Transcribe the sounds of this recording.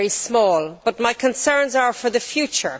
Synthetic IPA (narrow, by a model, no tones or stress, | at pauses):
ɹissmɔːlˠb̥ʌt̚maɪkʰə̃nsɜ̃˞nzə˞fə˞ðəfjʉt͡ʃə̰˞